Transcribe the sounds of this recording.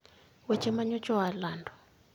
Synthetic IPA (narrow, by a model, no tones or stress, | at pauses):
wɛt͡ʃɛmaɲɔt͡ʃʼɔwalaːndʱɔ̥